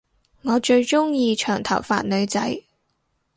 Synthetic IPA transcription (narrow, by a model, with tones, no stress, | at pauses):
ŋɔː˨˧t͡ʃɵ˧ɥt͡ʃʊ˥ŋjiː˧t͡ʃʰœː˨˩ŋt̪ʰɐ˨˩wfa̰ː˧t̚nɵ˨˧ɥt͡sɐ˨˥j